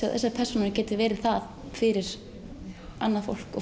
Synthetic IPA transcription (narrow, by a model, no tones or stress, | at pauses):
a̰ðθɛ̰sːapʰɛrsunɾɾcɛːt̪ɪvɛːɾɪɾ̥θað | fɪɾɪɾ̥ | a̰nːaðfo̰wl̥kɔ